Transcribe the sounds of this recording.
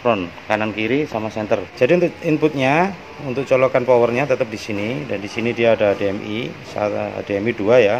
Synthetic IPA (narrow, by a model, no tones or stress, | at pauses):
pɾɔnkanankiɾisamasɛnt̪ərd͡ʒadiunt̪ʊkimpʊt̪̚ɲa | unt̪ʊk̚t͡ʃɔlɔkanpɔwərɲat̪ət̪əp̚disinidandisinidiaːdadeɛmisa̰t̪deɛmiduaja